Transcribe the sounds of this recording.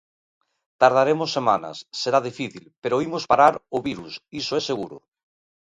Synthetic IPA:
t̪aɾð̞aɾemosːemana̰sːeɾað̞ifiθilpeɾoimospaɾaɾoβiɾusisoɛseɣuɾʊ̰

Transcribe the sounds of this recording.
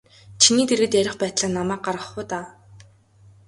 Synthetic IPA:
t͡ɕʰiniːt̪erɣɘ̆t̪jæɾʲɪ̆χpæːt̪ɮaːnamæːk̚ɢarʁə̆χʊːt̪aː

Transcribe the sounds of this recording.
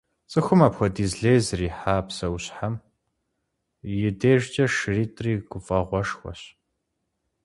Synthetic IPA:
t͡sʼɨxʷʊmaːpxʷɔdizɮeːjzriːħaːpsɐwɕħam | jɪdeːʒt͡ʃʼɐʃriːtʼriːɡʷʊfʼɐʁʷɔʂxʷɔ̰ɕ

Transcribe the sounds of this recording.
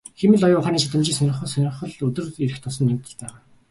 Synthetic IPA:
xemɘ̆ɮɔjʊχaːniːt͡ɕat̪ə̆mt͡ɕiːŋsœnʲɪ̆χə̆sœnʲɪ̆χə̆ɮɵt̪ɵ̆riɾɘ̆xt̪ʰʊsɞ̆nːemt̪ə̆ɮpæːʁaː

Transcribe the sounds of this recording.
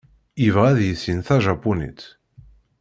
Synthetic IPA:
ivʁæðjəsinθæʒapunḭt̪

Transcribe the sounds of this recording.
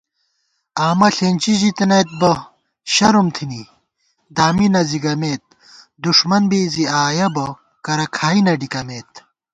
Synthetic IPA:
aːmɐɬeːnʲt͡ɕizit̪ɐnɐjt̪̚bɐ | ɕɐɾumt̪ʰini | d̪aːminɐziɡɐmeːt̪̚ | d̪uʂmɐnbeːziaːjɐbɐ | kɐɾɐkʰaːinɐɖikɐmeːt̪

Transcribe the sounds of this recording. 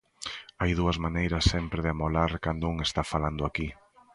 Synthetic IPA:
ajðuɐzmanejɾɐsːɛmpɾeðɪamolaɾkand̪ouŋest̪afaland̪ʊaki

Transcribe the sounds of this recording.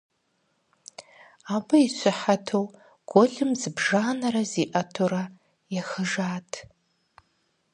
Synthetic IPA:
aːbɐiɕʷʰɪħatʰow | ɡ̥ʷɔɮɨmzɨbʒaːnɐɾɐziːʔɐtʰoɾɐ | jɛxɨʒaːtʰ

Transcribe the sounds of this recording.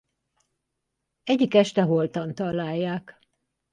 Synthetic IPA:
ɛɟːikɛʃt̪ɛɦolt̪ɒnt̪ɒlːaːjːaːk

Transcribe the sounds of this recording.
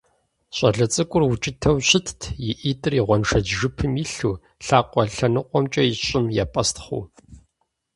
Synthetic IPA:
ɕʷʼɐ̰ɮɐt͡sʼɨkʷʼʊrwʊt͡ʃʼɪtʰɐwɕɪtʰtʰjɪʔiːtʼɨriʁʷɔnʂɐd͡ʒʒɨpʰɨmiɬuː | ɬaːqʷɔɬɐnɨqʷʼɔmt͡ʃʼɐjɪɕʼɪmjapʼɐstʰχʷṵː

